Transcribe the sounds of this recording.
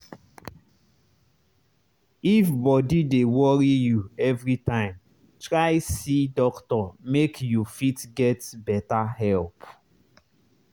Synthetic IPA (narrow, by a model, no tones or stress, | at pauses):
ifbɔdidewɔɾijuɛvɹitãɪ̃m | tɹaɪsidɔktɔmekjufitɡɛtbɛtahɛlp